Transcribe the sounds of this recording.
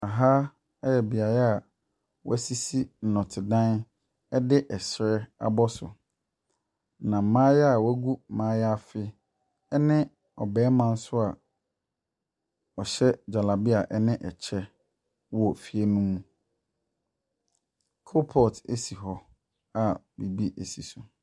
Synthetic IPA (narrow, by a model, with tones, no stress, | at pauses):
a˨ɦa˦ | ɛ˦jɛ˨bi˨a˨ɾɛ˦a˨ | wɔ̰˦æ˦si˦si˦n̩˨nɔ̃˨tʰɪ˨dã˦n | ɛ˦dɪ˦ʔɛ˨ɕɾɛ˦a̰˦bɔ˦sʊ̰˨ | nã˨mãː˦jɛ˦a˨wæ˦ɡu˦˨mãː˦ja˦˨fɪ˦ | ɛ˦nɪ̃˦ | ɔ˨bɛː˨˦mã˦n̩˦sʊ˦a˨ | ɔ˨ɕɛ˦d͡ʑa˨la˨bɪ˦a˨ʔɛ˦nɪ̃˦ʔɛ˨t͡ɕʰɛ˦ | wɔ˨fi˨e˦nũ˦m̃˦ | kʰo˦pʰɔ˨tḛ˦si˨ɦɔ˦ | a˨ | bi˨bi˦ʔe˨si˨sʊ˨